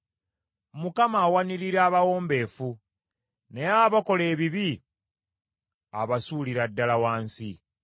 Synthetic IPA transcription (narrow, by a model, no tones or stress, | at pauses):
mukamaːwaniɾiɾaːβawo̞ːmbe̞ːfu | ne̞aβako̞le̞ːβiβi | a̰βasuːliɾadːalawaːnsi